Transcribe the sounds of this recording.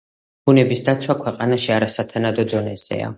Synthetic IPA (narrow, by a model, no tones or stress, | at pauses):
b̥unɛbisd̪at̪sʰwakʰwɛqʼanaʃiaɾasat̪ʰanad̪ɔd̪ɔnɛz̥ɛ̰a̰